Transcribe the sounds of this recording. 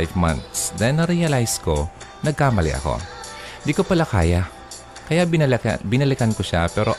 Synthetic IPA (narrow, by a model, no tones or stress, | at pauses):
jvma̰nt̪sd̪ɛnːɐɾiɐlajsko̞nɐɡ̚kaːmɐlɛ̰ʔɐ̰ko̞̰nd̪ikopɐlaka̰ːja | kɐja̰bɪnɐlɪkɐnkoʃapɛːɾo̞